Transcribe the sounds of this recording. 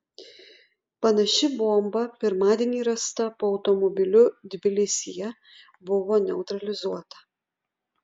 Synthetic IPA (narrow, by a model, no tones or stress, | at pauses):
pɐnɐʃʲɪbuɔmbɐpʲɪɾmɑːd̪ʲiɛnʲiːɾɐst̪ɐpoːɒʊt̪ɔmɔbʲɪlʲʊd̪ʲɪbʲɪlʲɪsʲɪjɛ | bʊʋoːnʲɛʊt̪ɾɐlʲɪzuɔt̪ɐ̥